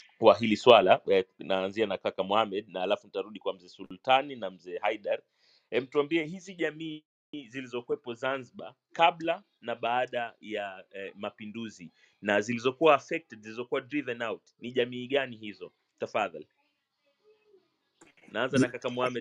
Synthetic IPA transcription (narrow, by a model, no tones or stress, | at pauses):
waɦiliswalanaːnzianakakamuhamɛɗnaalafunitaɾuɗikwam̩zɛsultaninam̩zɛːhaiɗaɾ | ɛm̩tuambiɛhiziʄamiː | zilizɔkwɛpɔzanziɓa̰ | kaɓla | naɓaaɗajamapinduzi | nazilizɔkuwaːfɛk̚tɛdziizɔkuwadɾivɛnawtniʄamiːɠanihizɔ | tafaðal | naanzanakakamuhamɛ